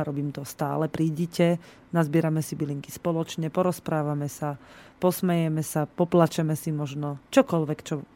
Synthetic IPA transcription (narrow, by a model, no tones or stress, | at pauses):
ɾɔbiːmt̪ɔst̪a̰ːlɛpɾiːɟicɛ | nazbɪɛɾamɛsibiliŋki̥spɔlɔt͡ʃɲɛpɔɾɔspɾaːʋamɛsapɔsmɛjɛmɛsapɔplat͡ʃɛmɛsimɔʒnɔt͡ʃɔkɔlʋɛkt͡ʃɔ